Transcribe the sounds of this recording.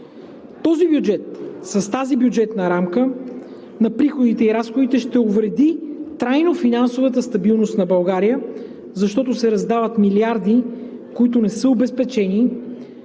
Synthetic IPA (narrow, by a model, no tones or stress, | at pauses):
t̪ɔzibjud͡ʒɛt̪sɐst̪azibjʊd͡ʒɛt̪nɐɾamkə | nɐpɾixod̪it̪ɛiɾasxod̪it̪ɛʃt̪ɛovɾɛd̪it̪ɾajnofinansovɐt̪əst̪ɐbilˠnost̪nɐbɐlˠɡaɾijə | zɐʃt̪ɔt̪ʊsɛɾɐzd̪avət̪miliaɾd̪ikoit̪ʊnɛsəobɛspɛt͡ʃɛni